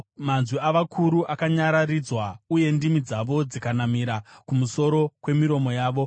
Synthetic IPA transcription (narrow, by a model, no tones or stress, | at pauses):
manzwiaʋakʰuɾuʔakaɲaɾarid͡zwauje̞ndimid͡zaʋo̞d͡zikanamiːɾakumuso̞ɾo̞kwe̞miɾo̞mo̞jaːʋo̞